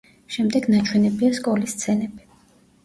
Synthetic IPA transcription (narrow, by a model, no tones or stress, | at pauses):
ʃɛmd̪ɛɡnat͡ʃʰwɛnɛbiaskʼɔlist̪sʰɛnɛbi